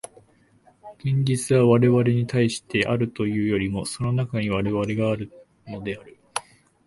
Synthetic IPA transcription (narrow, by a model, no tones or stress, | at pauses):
ɡ̥ẽɲ̟d͡ʑit͡sɨβaβaɾe̞βaɾe̞ɲ̟it̪ʰaiɕi̥t̪e̞ʔaɾɯ̟t̪o̞jɯ̟ːjo̞ɾʲimo̞so̞no̞nakaɲ̟iβ̞aɾe̞βaɾe̞ɡaːɾɯ̟ | no̞d̪e̞aɾɯ̟